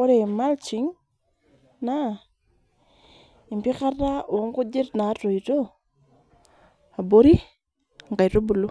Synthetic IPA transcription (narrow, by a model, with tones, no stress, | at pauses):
o˦ɾe˨ma˦lt͡ʃi˨˦ŋ | na˦˨ | i˨mpi˦ka˦tːa˦o˨˦ŋku˦d͡ʒe˦tna˨˦to˨i˨to˦ | a˨bo˦ɾi˦˨ | ŋɡa˨jto˦bu˨lu˦